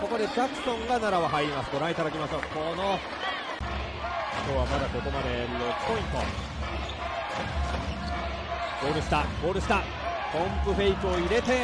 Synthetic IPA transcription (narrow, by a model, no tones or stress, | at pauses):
ko̞ko̞d̪e̞kʲakɯ̟̥sõ̞ŋɡanaɾaβaɦaiimasɨ̥d̪o̞ɾãit̪ad̪akʲimaɕokono | kʲo̞ːβamad̪ako̞t̪o̞mad̪eɾot͡sɨ̥po̞ĩnt̪o̰ | ɡ̥o̞ːɾɯ̟ɕi̥t̪aɡ̥o̞ːɾɯ̟ɕi̥t̪a | põmpɯ̟ɸe̞ikɯoiɾe̞t̪e̞